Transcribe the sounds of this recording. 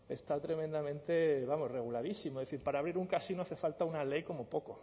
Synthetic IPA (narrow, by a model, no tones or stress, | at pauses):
e̞st̪at̪ɾe̞mẽnd̪amẽnt̪e̞βamo̞sre̞ɣ̞ulaðisimoðeθiɾpaɾaːβɾiɾuŋkasinoaθe̞falt̪aunale̞jko̞mo̞po̞ko